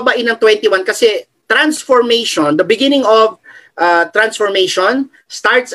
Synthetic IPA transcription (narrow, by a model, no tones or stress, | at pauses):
baʔɪnɐŋt̪wɛ̃nt̪ɪwankɐsɛ | t̪ɾansfɔɹmejʃond̪ɐbɪɡɪnɪŋɔvʔat̪ɾansfɔɹmejʃon | st̪aɹt̪s